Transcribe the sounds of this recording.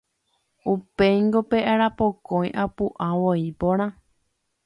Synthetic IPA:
upejŋɡopeʔaɾapokõj̃ʔapuʔãʋoipõɾ̃ã

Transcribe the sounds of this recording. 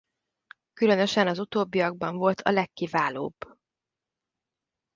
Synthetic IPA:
kylø̞nø̞ʃɛnɒzut̪oːbːiɒɡ̚bɒɱvo̞lt̪ʰɒ̰lɛkːivaːlo̰ːb

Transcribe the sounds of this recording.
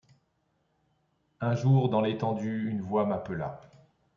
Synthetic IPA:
ɛ̃ʒuʁd̪ɑ̃let̪ɑ̃d̪yynvwamapəla̰

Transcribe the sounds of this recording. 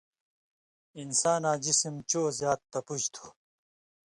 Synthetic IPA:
insaːnaːd͡ʑisimt͡ɕoːzjaːt̪ːɐpud͡ʑt̪ʰu̥

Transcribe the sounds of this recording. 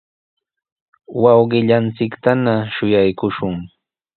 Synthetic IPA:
wɑwɢɪʎant͡sɪkt̪anaʃʊjajkʊʃʊŋ

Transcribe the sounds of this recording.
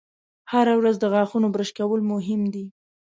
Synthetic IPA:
haɾawɾazd̪əɣɑxunobɾəʃkawəlmʊɦɪmd̪i

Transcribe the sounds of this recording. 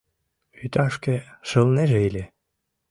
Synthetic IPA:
yt̪ɑʃkeʃɤ̆lneʒeelʲe

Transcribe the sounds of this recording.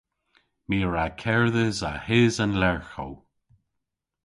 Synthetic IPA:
miːəɹakʰɛɹðəza̰hɪːzənlɛɹxo̰w

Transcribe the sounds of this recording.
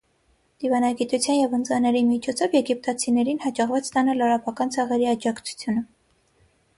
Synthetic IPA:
d̪̥ivɑnɑɡit̪ut͡sʰjɑnjɛvənt͡sɑnɛɾimit͡ʃʰɔt͡sʰɔvjɛɡip̚t̪ɑt͡sʰinɛɾinhɑd͡ʒɑʁvɑt͡sʰt̪ɑnɑlːɑɾɑpɑkɑnt͡sʰɑʁɛɾiɑd͡ʒɑkʰt͡sʰu̥t͡sʰjunə

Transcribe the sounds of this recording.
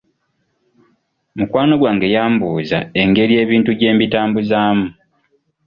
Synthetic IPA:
mukwaːno̞ɡwaːŋɡe̞jaːmbuːza̰e̞ŋɡe̞ɾie̞ːβiːntuɟe̞ːmbitaːmbuzaːmu

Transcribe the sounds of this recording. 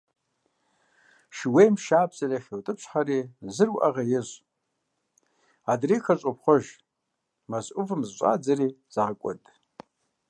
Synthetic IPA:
ʃiwejmʃaːpʰzaraχʲewtʼɨpʰʃʰʷħarizɨrwʔa̰ʁajɪʒʷ | adrijkʰat͡ʃʷʼopʰχʷoʒ | mazʔʊvɨmzt͡ʃʷʼa̰d͡zariz̥akʷʼa̰tʼ

